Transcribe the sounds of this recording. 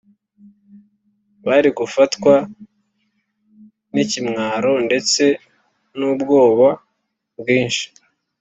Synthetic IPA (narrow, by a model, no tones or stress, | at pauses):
βaɾiɡufatkwa | nicimŋaːɾo̞nde̞t͡se̞ | nubɡo̞ːβa | bwiːnʃi̥